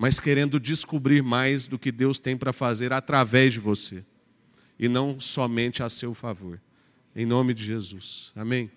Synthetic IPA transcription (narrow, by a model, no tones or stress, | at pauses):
mɐskeɾẽnd̪ʊd͡ʒɪskubɾiɾmajzd̪ʊkɪd̪ewst̪ẽj̃pɾɐfazeɾat̪ɾavɛzd͡ʒɪvose | ɪnɐ̃w̃sɔmẽt͡ʃɪasewfavoɾ | ḛ̃j̃nõmɪd͡ʒɪʒezusamẽj̃